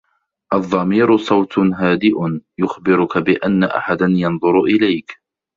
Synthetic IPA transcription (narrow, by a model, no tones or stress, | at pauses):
ʔɑðˤːɑmiːɾʊsˤɑwt̪ɦaːd̪ɪʔʊjʊxbɪɾʊkabɪʔanːaʔa̰ħad̪anjɑnðˤʊɾʔɪlajk